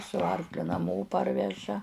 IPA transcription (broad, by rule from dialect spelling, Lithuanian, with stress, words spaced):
sʊ ˈɐrklʲʊ nɐˈmoː ˈpɐrʲʋʲɛʒɐ